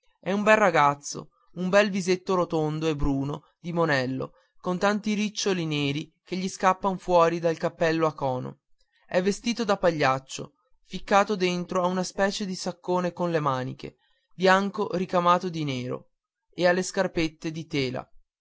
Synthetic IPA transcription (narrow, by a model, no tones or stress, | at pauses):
ɛumbɛlraɡat̪sːo̰ | umbɛlvizet̪ːoɾot̪ond̪oebɾuːno | d̪imonɛlːo̰ | kont̪ant̪iɾit͡ʃːolineːɾikeʎːiskapːanfwɔːɾid̪alkapːɛlːoakːɔːno̰ | ɛvːest̪iːt̪od̪apaʎːat͡ʃːo̰ | fikːaːt̪od̪ent̪ɾoaunaspɛːt͡ʃed̪isakːoːnekonlemaːnḭkḛ | bjaŋkoɾikamaːt̪od̪ineːɾo̰ | ealːeskarpet̪ːed̪it̪eːla̰